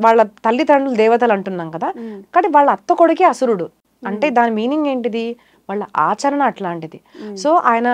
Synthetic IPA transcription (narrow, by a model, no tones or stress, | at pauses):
ʋaːɭːɐt̪ɐlːit̪ɐɳɖuld̪ɛːʋɐt̪̬ɐlɐɳʈunːaːnkɐd̪aːkɐʈiʋaːɭːɐːt̪ːɐkoɽukeɐsuɾuɽu | ɐɳʈe̞ːd̪aːnimiːniŋɡe̞ːɳʈid̪i | ʋaːɭːɐʔaːt͡ʃɐɾɐɳɐːʈlaːɳʈid̪isoːʔaːjɐnɐ